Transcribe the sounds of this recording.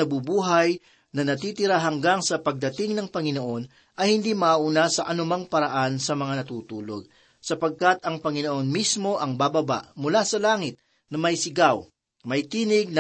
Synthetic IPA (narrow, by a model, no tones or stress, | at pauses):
ɐbubuːɦɐj | nɐnɐt̪iːt̪ɪɾaɦɐŋɡaŋsɐpɐɡ̚d̪ɐt̪ɪŋnɐŋpɐŋɪnoʔo̞n | ʔɐjhɪnd̪imɐʔʔuːnasɐʔɐnʊmaŋpɐɾɐʔansɐmɐŋanɐt̪uːt̪uːlo̞̰ɡ̚ | sɐpɐɡ̚kat̪ɐŋpɐŋɪnoʔo̞nmismo̞ʔɐŋbabɐba̰ʔmʊlasɐlaːŋɪt̪̚ | nɐmɐjsɪɡaw | mɐjt̪iːnɪɡ̚nɐ